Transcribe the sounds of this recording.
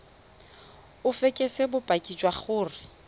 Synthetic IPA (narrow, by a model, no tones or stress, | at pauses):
ʊfekʼesebʊpʼakʼid͡ʒwaχʊːrɪ